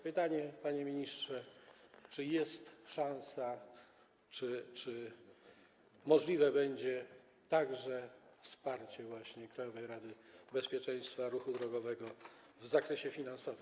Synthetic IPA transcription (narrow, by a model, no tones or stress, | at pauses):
pɘt̪aɲɛpaɲɛmʲiɲistʂɛt͡ʂɘjɛst̪ʂãw̃sa | t͡ʂɘt͡ʂɘ | mɔʐlʲivɛbɛɲd͡ʑɛ | t̪aɡʐɛfspaɾt͡ɕɛvwaɕɲɛkɾajɔvɛjɾad̪ɘbɛspʲjɛt͡ʂɛj̃st̪faɾuxud̪ɾɔɡɔvɛɡɔ | vzakɾɛɕɛfʲinansɔvɘm